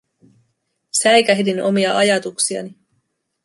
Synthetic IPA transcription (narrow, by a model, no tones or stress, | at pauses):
sæjkæɦdino̞miɑʔɑjɑt̪uksiɑ̰ni